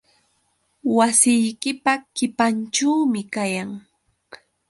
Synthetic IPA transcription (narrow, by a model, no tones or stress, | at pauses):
wasɪjkɪpakɪpant͡ʃaːmɪkajaŋ